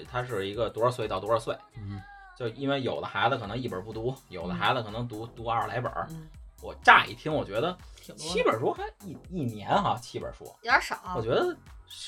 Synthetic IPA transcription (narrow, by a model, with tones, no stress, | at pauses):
t̪ʰa˥ʂ̬ɻ̩˥˩i˧˥ɡə˧t̪wu˧˥ə˞˧˩swe˥˧ɪt̪ɑ˥˩ʊwɔ˥ə˞˥˧swe˥˩ɪ | t͡ɕjo˥˧ʊ˧i˥nwe˥˩ɪjo˨˩ʊd̪ə˦xa˧˥ɪzə˧kʰɤ˨˩nɤ˧˥ŋi˥˩pə˞˨˩pu˥˩t̪u˧˥jo˨˩ʊd̪ə˦xa˧˥zə˧kʰɤ˨˩nɤ˧˥ŋt̪u˧˥t̪u˧˥a˞˥˩la̰˧˥ɪpə̰˞˨˩wɔ˨˩ʈ͡ʂa̰˥˩ḭ˥˩t̪ʰjɛ˥nwɔ˨˩t͡ɕɥɛ˧˥d̪ə˧t͡ɕʰi˥bə˨˩ʂwɔ˥xa˧˥ɪi˥˩i˥˩njɛ˧˥nxa˧t͡ɕʰi˧˥bə̰˨˩ʂɔ̰˥ɑ˨˩˦wɔ˨˩t͡ɕɥɛ˧˥d̪ə˧